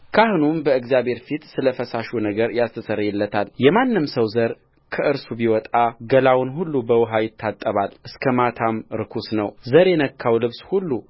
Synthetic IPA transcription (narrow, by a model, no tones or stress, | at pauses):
kʰahnumbəɨɡzijaβhe̞ɾfit̪sɨləfəsaʃunəɡəɾjast̪ʰəsəɾjɛlːət̪ʰaljɛmanːɨmsəwzəɾ | kʰəʔɨɾsubiwɔt̪ʼaɡəlawnɦulːubəwʊɦajɪt̪ʰːat̪ʼːəβalʔɨskʰəmat̪ʰamɾɨkʰusnəwzəɾjɛnəkʰːawlɨβshulːu